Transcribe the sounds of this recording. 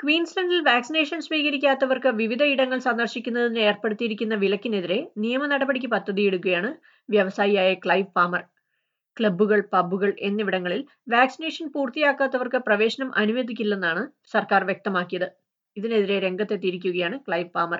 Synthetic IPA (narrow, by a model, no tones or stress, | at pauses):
kʋiːnslɐɳɖilʋaːksine̞ːʂɐnsʋiːɣɐɾikʲːaːt̪ːɐʋɐrkɨʋiʋid̪ʱɐiɽɐŋːɐɭsɐnd̪ɐrɕikʲːunːɐðine̞ːrpeɽut̪ːijiɾikʲːunːɐʋilɐkʲːine̞ðiɾe̞nijɐmɐnɐɽɐbɐɽik̬ʲːɨpɐd̪ʱːɐðijeɽukːɐjaːɳɨ | ʋjɐʋɐsaːjiaːjɐkɭɐjʋfaːmɐr | kɭɐbːuɣɐɭpɐbːuɣɐɭʔe̞nːiʋiɽɐŋːɐɭil | ʋaːksine̞ːʂɐnpuːrt̪ijaːkːaːt̪ːɐʋɐrkɨprɐʋe̞ːɕɐnɐmʔɐnuʋed̪ʱikʲːulːe̞nːaːɳɨ | sɐrkaːrʋje̞k̚t̪ɐmaːkːijɐðɨ | iðine̞ðiɾe̞ɾe̞ŋɡɐt̪ːe̞t̪ːiɾik̬ʲːuɣɐjaːɳɨkɭɐjʋpaːmɐr